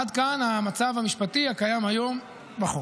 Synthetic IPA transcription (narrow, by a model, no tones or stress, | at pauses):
ad̪kanhamat͡savhamiʃpat̪iakajamhajo̞m | baχu